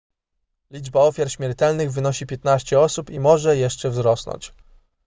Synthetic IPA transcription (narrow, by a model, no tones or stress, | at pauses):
lʲid͡ʐbaɔfʲjaɾɕmʲjɛɾt̪ɛlnɘɣvɘnɔɕipʲjɛt̪naɕt͡ɕɛɔsupimɔʐɛjɛʂt͡ʂɛvzɾɔsnɔ̰ɲt͡ɕ